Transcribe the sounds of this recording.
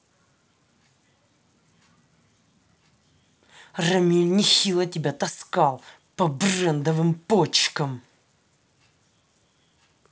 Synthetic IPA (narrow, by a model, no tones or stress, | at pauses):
rɐmʲilʲnʲɪxʲilˠətʲɪbʲat̪ɐskɑlˠ | pɐbrɛnd̪əvɨmpot͡ɕkəm